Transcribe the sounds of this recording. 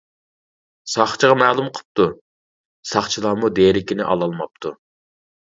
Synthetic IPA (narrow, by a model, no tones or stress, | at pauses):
sɑχt͡ʃʰʁɑmæːlˠumqʰə̥p̚t̪u | sɑχt͡ʃʰilˠɑːmud̪eɾɪkʲinɪʔɑ̰lˠɑlˠmɑp̚t̪ʰu